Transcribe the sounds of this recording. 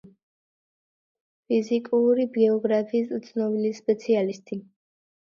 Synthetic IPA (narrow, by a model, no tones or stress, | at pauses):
pʰizikʼuɾibɛɔɡɾapʰiːst̪sʰnɔbilispʼɛt̪sʰialist̪ʼi